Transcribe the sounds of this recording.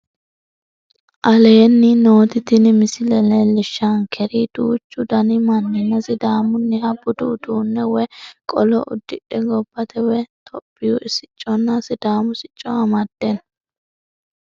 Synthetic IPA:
ʔɐleːnːɪno̞ːt̪ɪt̪ɪnɪmɪsɪlɛlɛlɪʃːɐŋkʰɛɾid̪̥uːt͡ʃːʊd̪ɐnɪmɐnːɛnːɐsɪd̪aːmʊnːɪhɐbʊd̪ud̪uːnːɛwɛkʼɔlɔ̰ʔʊ̰d̪ːɪᶑɛɡɔbːɐt̪ɛwɛt̪ʰɔpʼːɪjʊʔɪsɪt͡ʃʼːɔnːɐsɪd̪aːmʊsɪt͡ʃʼːɔɐmɐd̪̥ːɛn

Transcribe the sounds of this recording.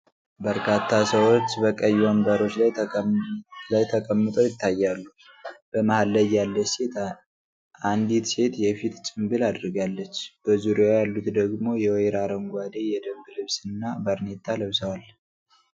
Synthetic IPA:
bəɾkʰat̪ʰːasəwot͡ʃːbəkʼəjːuəmbəɾo̞t͡ʃːlaj | lajt̪ʰəkʼəmːɨt̪ʼo̞jɪt̪ʰːajːalːu | b̥əmahalːəjalːəse̞t̪ | and̪it̪se̞t̪jɛfit̪t͡ʃʼɨmbɨlad̪ɾɨɡalːət͡ʃːb̥əzuɾjajalːut̪d̪əɡmo̞jɛwjɾaɾəŋɡʷad̪ejɛd̪əmɡlɨβsɨnːabəɾnet̪ʼːaləβsəwal

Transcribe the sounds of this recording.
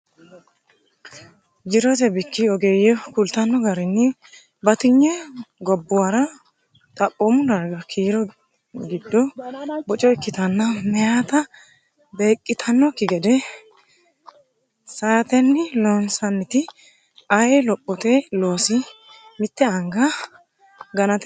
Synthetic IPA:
d͡ʒɪɾɔt̪ɛbɪkːɪɔɡeːjɔkʊlt̪ɐnːɔɡɐɾɪnːɪ | bɐt̪ɪɲːɛɡɔbːʊwaɾɐ | t̪ʼɐpʼːomʊdɐɾɡɐkʰiːɾɔ | ɡɪd̪ːɔbɔt͡ʃʼɔɪkːɪt̪ɐnːɐmɛjaːt̪ɐ | be̞ːkʼːɪt̪ʰɐnːɔkːɪɡɛd̪ɛ | saːt̪ɛnːɪlɔnsɐnːɪt̪ɪ | ɐjɛlɔpʼːɔt̪elo̞ːsɪmɪt̪ːɛɐŋɡɐ | ɡɐnɐt̪

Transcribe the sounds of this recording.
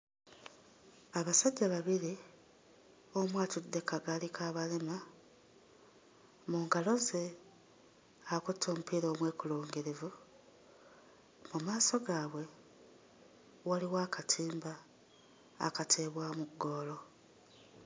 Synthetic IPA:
aβasaɟːaβaβiɾi | omwaːtud̪ːe̞kaɡalikʰaːβalema | muːŋɡalo̞ze̞ | akutʰːo̞ːmupiɾo̞ːmwe̞ːkuluːŋɡiɾivu | mumaːso̞ɡaːβwe̞ | waliwaːkʰatʰiːmba̰ː | katʰeːβwaːmuɡo̞ːlo̞

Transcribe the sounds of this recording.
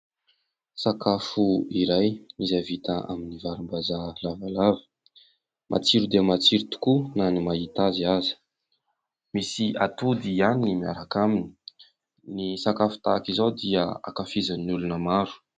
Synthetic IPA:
sakafuiɾajizavit̪aa̰minivaɾimbazalavalavə̥ | mʔa̰t͡siɾud̪eamat͡siɾut̪u̥kunanimait̪aziazi̥ | misiʔat̪ud̪ianiimiaɾakamini̥ | nisakafu̥t̪akizawd̪iəa̰kafizanulunəmaɾu̥

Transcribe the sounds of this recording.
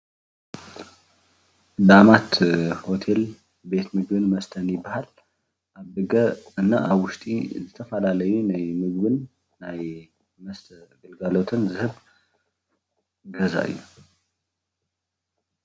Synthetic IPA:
d̪amat̪ho̞t̪ʰe̞l | be̞t̪mɨɡβɨnməst̪ʰənjɪbahal | ʔabɨɡəɨnːa̰ʔaβwʊst̪ʼḭzət̪ʰəfəlaləjunajmɨɡβɨnː | aj | məst̪ʰɡəlɡalo̞t̪ʰɨnzɨhɨβ | ɡəza̰jːṵ

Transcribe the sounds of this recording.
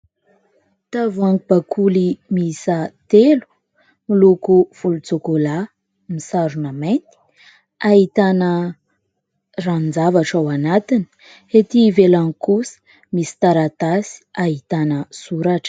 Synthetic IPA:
t̪avuaŋkub̥akʰulimisət̪elu̥ | milukuv̥ulut͡sokola | misaɾunament̪i̥ | aɦit̪anə | rannd͡zavaʈ͡ʂawanat̪ini̥ | het̪ivelaŋikusə̥ | misi̥t̪aɾat̪asi̥aɦit̪anəsuɾaʈ͡ʂ

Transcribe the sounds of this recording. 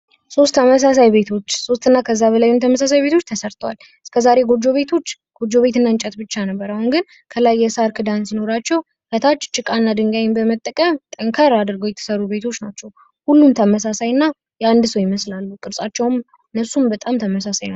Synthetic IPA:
so̞st̪ʰːəməs̬as̬ajbe̞t̪ʰo̞t͡ʃːso̞st̪ːɨnːakʰəzːaβəlajunt̪ʰəməsas̬ajbe̞t̪ʰo̞t͡ʃːt̪ʰəsəɾt̪ʰwa̰l | ɨskʰəzaɾe̞ɡo̞d͡ʒːo̞βe̞t̪ʰo̞t͡ʃː | ɡ̥o̞d͡ʒo̞βe̞t̪ɨnːaɨnt͡ʃʼət̪bɨt͡ʃːanəbːəɾahunɡɨn | kʰəlajːɛsaɾkʰɨd̪ansino̞ɾat͡ʃːɛw | kət̪ʰat͡ʃːt͡ʃʼːɨkʼanːad̪ɨŋɡajnbəmət̪ʼːəkʼəmt̪ʼəŋkʰəɾad̪ɨɾɡojɛt̪ʰə̥səɾube̞t̪ʰo̞t͡ʃːnat͡ʃːɛw | hulːumt̪ʰəməs̬asajnːa | jɛand̪ɨsəwjɪməslalːukʼɨɾsʼat͡ʃːɛwm | ɨnːəsumbət̪ʼamt̪ʰəməsasajna

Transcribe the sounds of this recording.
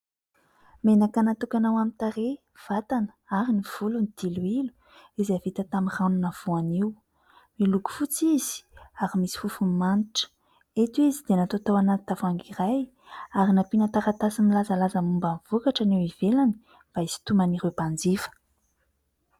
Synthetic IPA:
menakanat̪ukanawamint̪aɾe | v̥at̪anə̥aɾiniv̥ulunid̪̥iluilu̥ | izavit̪ət̪amiranunav̥uaniw | miluɡu̥fut͡siz̥i̥aɾimisi̥fufumaniʈ͡ʂə̥ | et̪wizid̪enat̪ot̪awanat̪i̥t̪afaŋɡiraj | aɾinapinat̪aɾat̪asimilazalazəmumbanvukaʈ͡ʂanewiv̥elani̥ | b̥aizi̥t̪umaniɾepand͡zifə̥

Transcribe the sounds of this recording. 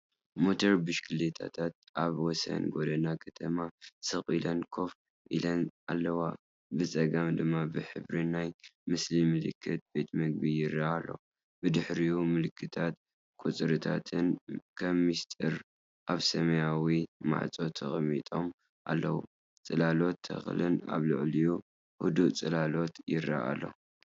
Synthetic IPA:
mo̞t̪ʰoɾbɨʃkʰɨlet̪ʰa̰t̪ʰat̪̚ʔaβwɔsɐ̰nɡo̞d̪ɐnakʰɐt̪ʰɐmasɨxʼilɐnkʰo̞f | ʔilɐnʔa̰lːɐwa | bɨt͡sʼɐɡamd̪ɨmːabɨħɨ̰βɾinajmɨslimɨlɨkʰːɨt̪̚b̥e̞t̪ʰmɐɡ̚bijɪrɐhalːo̞̰ | bɨd̪ɨħɾijumɨlɨkʰːɨt̪ʰat̪ | kʰʼut͡sʼɨɾɨt̪ʰa̰t̪ʰɨnkʰɐmːist̪ʼɨɾ | ʔaβsɐmɐjawima̰ʕt͡sʼo̞t̪ʰɐxʼmit̪ʼo̞m | ʔa̰lːɐwṵ | t͡sʼɨlalo̞t̪ʰːɐ̰xlɨna̰βlɨʕliju | hṵd̪uʔt͡sʼɨlalo̞t̪jɪrːa̰ʔa̰lːo̞̰

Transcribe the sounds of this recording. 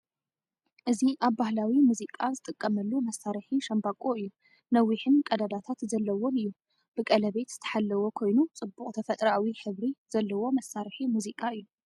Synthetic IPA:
ʔɨziʔaβːahlawimuzikʼazɨt̪ʼɨkʼːɐmɐlːumɐsːaɾħiʃɐmbakʼoɨjːu | nɐwːiħɨnkʼɐd̪ad̪at̪ʰat̪zɐlːɐwonɨjːu | b̥ɨkʼɐlɐβe̞t̪z̥ɨt̪ʰɐ̥ħalːɐwo̞kʰo̞jnut͡sʼɨbːukʼt̪ʰɐfɐt̪ʼɾawiħɨβɾiz̥ɐlːɐwo̞mɐsaɾħimuzikʼaɨjːu

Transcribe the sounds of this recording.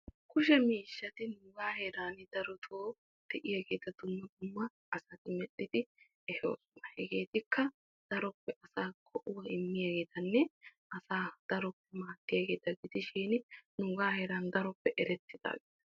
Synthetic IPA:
kʊʃ̬ɛmiːʃːɐt̪ɪnʊːɡaːheːɾaːnɪd̪̥ɐɾɔt̪ʰoː | d̪̥ɛʔɪjaːɡe̞ːt̪ɐd̪ʊmːɐd̪ʊmːɐ | ɐsɐt̪ɪmɛɗɪd̪ɪ | ɛhosmɐhɛɡe̞ːt̪ɪkːɐ | d̪̥ɐɾɔpːɛʔɐsaːkʰɔʔʊwɐɪmːɪjaːɡeːt̪ɐnːɛʔɐsaːd̪̥ɐɾɔpːɛmaːt̪ːɪjaːɡe̞ːt̪ɐɡɪd̪ɪʃiːnɪnuːɡaːheːɾaːnd̪ɐɾɔpːɛʔɛɾɛt̪ːɪd̪a̰ːɡḛːt̪ɐ

